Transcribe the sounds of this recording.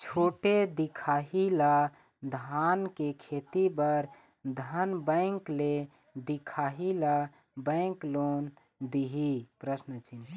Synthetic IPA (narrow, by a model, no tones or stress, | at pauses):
t͡ʃʰoʈed̪ikʰaɦila | d̪ʱankekʰet̪ibəɾ | d̪ʱənbə̃ɪŋkle | d̪ikʰaɦila | bə̃ɪŋklon | d̪iɦipɾəsnət͡ʃʰin